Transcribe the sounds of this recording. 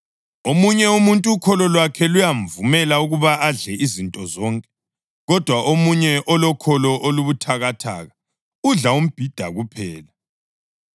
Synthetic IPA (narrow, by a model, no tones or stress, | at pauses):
omuɲɛumuntʼuːkʰɔlɔlwakʰɛlujaɱvumɛlauɣuβaʔaɮɛizintʼɔzɔŋkʼɛ | ɣɔd̥ʱwaʔomuɲɛʔɔlɔkʰɔlɔʔoluβutʰaɣatʰa̰ːɣa | uɮaum̩b̥ʱid̥ʱa̰ɣupʰɛ̰ːla